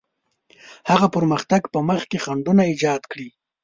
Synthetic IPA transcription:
haɣapəɾməxt̪aɡpəməχkexaɳɖunaɪd͡ʒɑd̪kɽi

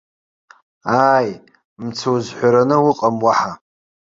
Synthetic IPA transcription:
aːj | mt͡sʰowzħʷaɾanɨwʊqʼamwaħa

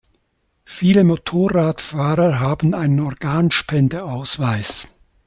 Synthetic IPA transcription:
fiːləmotʰoːʁaːtfaːʁɐɦaːbn̩aɪnənɔʁɡ̥aːnʃpɛndəaʊsv̥aɪs

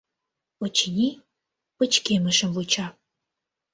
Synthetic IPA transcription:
ot͡ɕinʲi | pə̆t͡ɕkeməʃə̆mvut͡ɕɑ

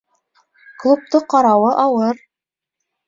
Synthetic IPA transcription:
klˠup̚t̪oqɑɾɑwɤʔɑwɤɾ

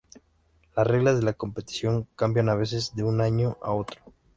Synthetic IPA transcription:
lasre̞ɣlazðe̞lako̞mpe̞t̪i̥sjo̞ŋkambjanaβ̞e̞s̬e̞zðe̞unaɲo̞ʔa̰o̞t̪ɾo

